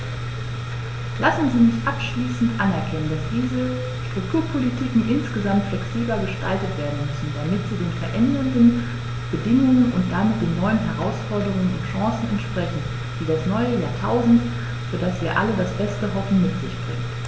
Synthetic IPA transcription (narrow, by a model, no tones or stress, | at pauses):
lasn̩ziːmɪçʔapʃliːsn̩tʔanɛɐkʰɛnəndasd̥iːzə | ʃtʁ̥ʊk̚tʰuːɐpʰolitʰiːkŋ̩ʔɪnsɡ̥əzamtflɛksiːblɐɡəʃtʰa̰ltətv̥eːɐdn̩mʏsn̩damɪtz̥iːdeːnfɛɐʔɛndɐndn̩ | b̥ədɪŋʊŋənʔʊntd̥amɪt̚d̥eːnːɔʏənɦɛʁ̞aʊsfɔɐdəʁʊŋənʊntʃãːsn̩ɛntʃpʁ̥ɛçn̩ | d̥iːdasnɔʏəjaːtʰaʊzn̩t | z̥oːdasv̥iːɐʔa̰lədasb̥ɛstəɦɔfn̩mɪtz̥ɪçb̥ʁɪ̰ŋt